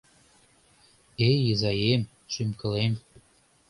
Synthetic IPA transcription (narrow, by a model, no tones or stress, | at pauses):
ejəzɑjem | ʃymkɤ̆lem